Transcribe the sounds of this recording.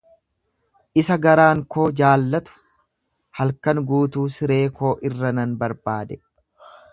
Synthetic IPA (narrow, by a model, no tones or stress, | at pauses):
ʔɪsɐɡɐɾaːŋko̞ːd͡ʒaːlːɐt̪ʊ̥ | hɐlkɐnɡuːt̪uːsɪɾe̞ːkʰo̞ːʔɪrːɐnɐnbɐɾbaːd̪ɛ